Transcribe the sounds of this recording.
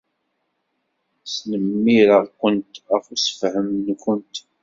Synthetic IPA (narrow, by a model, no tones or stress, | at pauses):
snəmːiɾakʷənt̪æfusə̥fɦəmnːkʷʊnt̪